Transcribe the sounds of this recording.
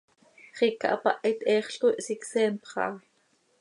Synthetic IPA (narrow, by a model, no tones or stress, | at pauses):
χikɑ̰ʔɑpɑʔɛt̪ʔɛːχɬk̪oʔsiksɛːmpχɑ̰ː